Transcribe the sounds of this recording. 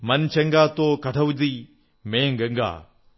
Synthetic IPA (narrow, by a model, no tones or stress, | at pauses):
mɐnt͡ɕʰɐŋɡaːt̪oːkɐʈʰəʋʊd͡ʑiː | mẽːɡɐ̃ŋɡa̰ː